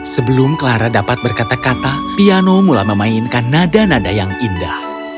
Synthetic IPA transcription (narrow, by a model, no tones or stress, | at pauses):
səbəlʊmkəlaɾadapat̪̚bərkat̪akat̪apianomulaməmainkanːadanadajaŋindah